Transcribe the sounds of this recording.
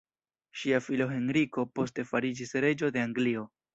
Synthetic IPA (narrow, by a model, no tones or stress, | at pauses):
ʃiafilo̞ɦe̞nɾiko̞po̞ste̞faɾid͡ʒisɾe̞d͡ʒo̞de̞aŋɡlio̞